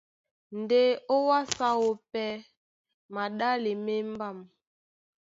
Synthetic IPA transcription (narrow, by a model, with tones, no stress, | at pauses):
n˨de˦o˦wa˦sa˦wo˦pɛ˦ | ma˨ɗa˦le˨me˦m˦ba˦˨m